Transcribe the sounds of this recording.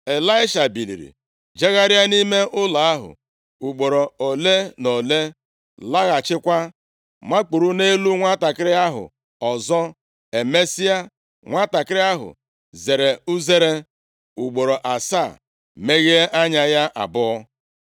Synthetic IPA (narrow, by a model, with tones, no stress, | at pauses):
e˨la˦ɪ˦ʃa˨bi˨lḭ˨ɾḭ˨ | d͡ʒe˦ɣa˦ɾja˦ni˦me˦ʔʊ˦la˨a˦ɦʊ̰˨ | u˨ɡ͡bo˨ɾo˨o˨le˦no˨le˦ | la˦ɣa˨t͡ʃɪ˦kʷa˦ | ma˦k͡pu˨ɾu˦ne˦lu˦ŋʷa˦ta˨kɪ˦ɾɪ˦a˦ɦʊ̰˨ | ɔ˨zɔ˦ | e˨me˦si˦a˦ | ŋʷa˦ta˨kɪ˦ɾɪ˦a˦ɦʊ̰˨ | ze˨ɾe˨u˦ze˦ɾe˦ | u˨ɡ͡bo˨ɾo˨ʔa˨sa˦˨ | me˦ɣe˦e˦ʔa˦ɲa˦ja˦ʔa̰˨bʊ˦ɔ˦